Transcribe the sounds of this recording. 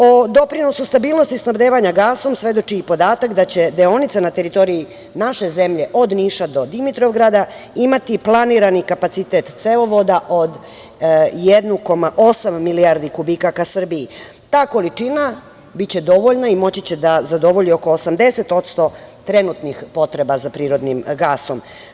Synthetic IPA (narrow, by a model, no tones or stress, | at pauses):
od̪o̞pɾino̞sust̪abiːlˠno̞st̪isnabd̪eːʋaɲaɡaːso̞msʋe̞d̪o̞t͡ʃiːpo̞d̪aːt̪akd̪at͡ɕe̞d̪eo̞nit̪sanat̪e̞ɾit̪o̞ɾii | naʃe̞ze̞mʎe̞ʔo̞d̪niːʃad̪o̞d̪imit̪ɾovɡɾad̪a | imat̪iplˠaniɾanikapat̪sit̪et̪t̪seloʋo̞d̪aʔo̞d̪ | jed̪nuko̞maʔo̞samːiliaɾd̪ikubikakasr̩bii | t̪aːko̞lit͡ʂina | bitt͡ɕe̞d̪o̞ʋo̞ʎnaimo̞t͡ɕit͡ɕed̪azad̪o̞ʋo̞ʎio̞ko̞ːsamd̪e̞se̞t̪o̞t̪st̪o̞t̪ɾenut̪nixpo̞t̪ɾe̞bazapɾiːɾo̞d̪nimɡaːso̞m